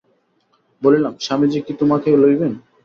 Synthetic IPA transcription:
bolilamʃamid͡ʑikit̪omakelojben

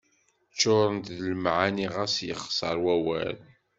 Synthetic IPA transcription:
t͡ʃːoɾˤənt̪ðlmʕaniʁæsjəχsˤəɾˤwæwæl

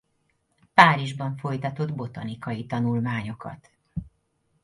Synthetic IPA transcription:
paːɾiʒbɒɱfo̞jt̪ɒt̪o̞d̪bo̞t̪ɒnikɒjit̪ɒnulmaːɲo̞kɒ̰t̪

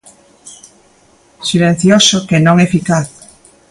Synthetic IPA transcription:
silẽn̟θjosokenõŋefikaθ

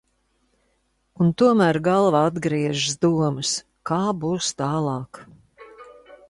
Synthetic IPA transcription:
unt̪uɔmæːɾɡɑlˠvaad̪ɡɾiɛʒizd̪uɔmɨs | kaːbuːst̪aːlˠɑːk

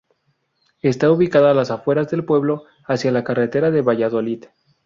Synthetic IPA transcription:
e̞st̪auβikaðalasafwe̞ɾazðe̞lpwe̞βlo̞ | asjalakaret̪e̞ɾaðe̞βaʝaðo̞lið

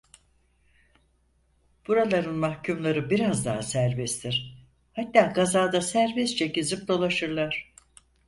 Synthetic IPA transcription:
b̥uɾalˠaɾɯnmahcʰumlˠaɾɯbiɾazd̪aɦasæɾbɛst̪ʰiɾ̥ | hat̪ːaːɡazaːd̪asæɾbɛst͡ʃʰecizip̚d̪o̞lˠaʃɯɾlˠaɾ̝̥

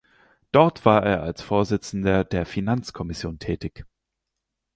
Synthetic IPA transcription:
d̥ɔɐtv̥aːɐʔeːɐʔalsfoːɐzɪt͡sn̩dɐdeːɐfinant͡skʰɔmɪsjoːntʰɛːtɪç

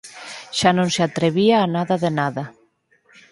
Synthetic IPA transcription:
ʃanõŋseat̪ɾeβiaːnaðaðenaðɐ

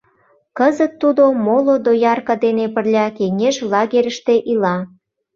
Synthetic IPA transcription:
kəzət̪ːud̪omolod̪ojɑrkɑd̪enepərlʲɑkeŋeʒlɑɣeɾʲəʃt̪eʔilɑ

